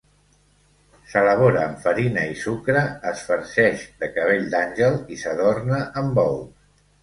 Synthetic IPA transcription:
sələβ̞oɾəːmfəɾinəisukɾəːsfəɾʃɛʃd̪əkəβ̞eʎd̪anʲʒəlˠisəðornəʔəmbɔw

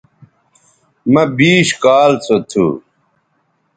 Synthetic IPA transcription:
mɐbiːɕkaːlt͡sʰot̪ʰṵ

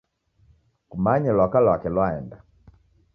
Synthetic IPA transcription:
kumaɲalwakalwakɛlwaɛnda

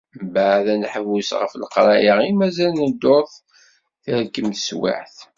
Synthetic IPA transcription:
baʕðænħəvusʁə̰flqɾˤɑʔiʁimæzælnəd̪ːoɾˤθ | θiɾəkːəmθswa̰ħθ

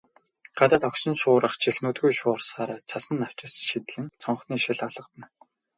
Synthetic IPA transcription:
ɢ̥at̪aːt̪ʰɔksɞ̆nʃʊːɾə̆χt͡ɕʰixnuːt̪ɡujʃʊːrsaːɾaːt͡sʰasə̆nːaw̥t͡ɕɪ̆sʃit̪̆ɮɘ̆nt͡sʰɔɴχniːʃiɮɔɮə̆qt̪ə̆n

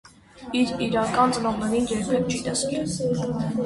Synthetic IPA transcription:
iɾiɾɑkɑnt͡sʼənɔʁnɛɾinjɛɾpʰɛk̪̚t͡ʃit̪ɛskɛ

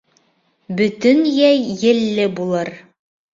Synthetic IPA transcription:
bɵ̆t̪ɵnjæjːɘ̆lːɘbulˠɤɾ

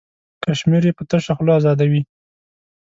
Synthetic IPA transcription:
kaʃmiɾjepət̪əʃaxloazɑd̪awi

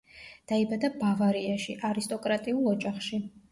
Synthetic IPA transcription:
d̪̥aibad̪abavaɾiaʃiʔaɾist̪ʼɔkʼɾat̪ʼiulˠɔd͡ʒaχʃi

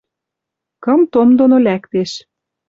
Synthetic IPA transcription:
kɤ̆mt̪omd̪onolækt̪eʃ

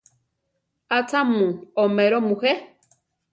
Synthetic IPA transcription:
at͡samũomẽɾomũhe

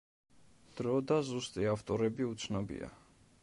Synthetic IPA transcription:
d̪̥ɾɔd̪azust̪ʼiaft̪ʼɔɾɛbiut̪sʰnɔbḭa̰

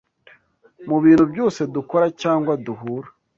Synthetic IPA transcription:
muβiːnhubjo̞ːse̞duko̞ɾacaːŋɡwaduɦuːɾḁ

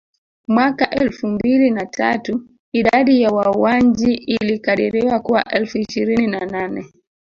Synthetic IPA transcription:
mwakaʔɛlfumbilinatʰa̰tu | iɗaɗijawauwaɲd͡ʒiʔilikaɗɛɾɛwakuwa̰ʔɛlfuiʃiɾininananɛ

